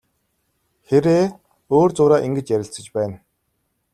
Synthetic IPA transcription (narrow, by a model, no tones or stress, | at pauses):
xeɾeː | oːrt͡sʊːɾaːʔiŋɡɘ̆t͡ɕjæɾʲɪ̆ɬt͡sə̆t͡ɕpæːn